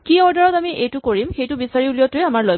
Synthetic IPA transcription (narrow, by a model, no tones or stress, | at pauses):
kiɔɹdaɹɔtamiʔejtʊkoɹimxejtʊbisaɹiulijɔtʊjamaɹloj